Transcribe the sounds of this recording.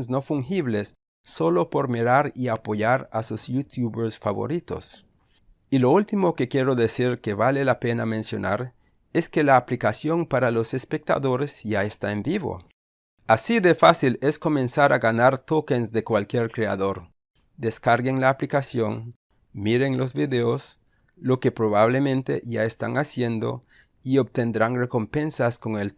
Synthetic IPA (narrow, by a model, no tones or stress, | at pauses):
ns̬nofuŋxiβlesː | o̞lopo̞ɾmiɾaɾiapoʝaɾasusjut̪juβeɾsfa̰βo̰ɾit̪o̰s | iloult̪imokekjeɾo̞ðesiɾkeβalelapenamẽnsjo̞̰na̰ɾ | eskelaːplikasjompaɾalosespek̚t̪a̰ðoɾezʝaest̪aembiβo̰ | asiðefasilesko̞mẽnsaɾaɣanaɾt̪okensðekwalkjeɾkɾea̰ðoɾ | d̪eskaɾɣeŋlaːplikasjo̰ŋ | miɾeŋlo̞zβiðeos | lo̞kepɾoβaβlemẽnt̪ḛʝaest̪a̰ŋasje̞nd̪o̰ | iob̚t̪end̪ɾaŋreko̞mpẽnsasko̞ŋel